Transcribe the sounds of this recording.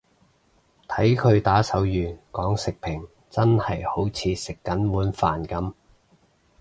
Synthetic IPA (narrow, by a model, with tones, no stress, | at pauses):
t̪ʰɐ˨˥jkʰɵ˨˧ɥt̪aː˨˥sɐ˨˥wjyː˨˩nkɔː˨˥ŋsɪ˨k̚pʰɪ˨˩ŋ | t͡sɐ˥nhɐ˨jho˨˥wt͡sʰiː˨˧sɪ˨kːɐ˨˥nwuː˨˥nfaː˨nkɐ˨˧m